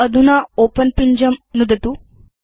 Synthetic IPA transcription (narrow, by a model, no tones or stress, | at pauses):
əd̪ʱunaopənpiɲd͡ʑəmnud̪ət̪u